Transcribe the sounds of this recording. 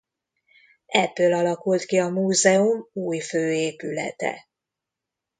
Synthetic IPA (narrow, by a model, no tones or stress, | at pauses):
ɛbːølɒlɒkult̪kiɒmuːzɛumuːjføːeːpylɛ̰t̪ɛ̰